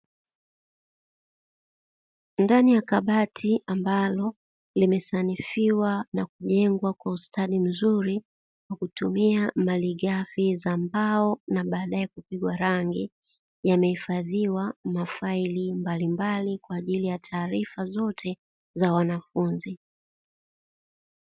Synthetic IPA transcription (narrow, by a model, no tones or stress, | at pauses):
ndanijakaɓatʰiambalɔ | limɛsanifiwanakuʄɛŋɡwakwaustaɗim̩zuɾi | kwakutumiamaliɠafizambaɔnaɓaːɗaɛkupiɡwaɾaŋɡi | jamɛhifaðiwamafailimbalimbalikwaːʄilijatʰaːɾifazɔtʰɛ | zawanafunzi